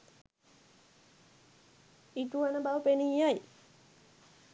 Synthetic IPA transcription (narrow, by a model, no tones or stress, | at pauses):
iʈuanəbawəpenijaj